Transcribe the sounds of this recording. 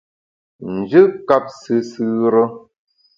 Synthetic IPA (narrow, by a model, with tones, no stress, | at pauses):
n̩˨d͡ʒɨ˦ka˦p̚sɨ˦sɨ˦ɾə˦